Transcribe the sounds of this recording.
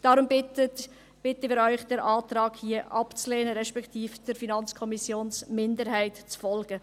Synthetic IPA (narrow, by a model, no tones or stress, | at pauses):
d̥ɑɾʊmbɪət | b̥ɪtəɪːɾœʏχd̥ɛɾʔɑːt̪ɾɑːɡhiəʔɑpt͡slɛːnəɾɛʃpɛktiːfd̥əɾfinɑnt͡skʰɔmisjoːnsmɪndəɾɦæɪtt͡sfɔlɡ̥ə